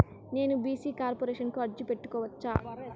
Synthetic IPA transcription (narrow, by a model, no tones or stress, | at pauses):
ne̞ːnubiːsiːkaːɾpoɾeːʃɐnkuɐɾd͡ʒipe̞ʈːu̥kɔːʋɐt͡ʃːa̰ː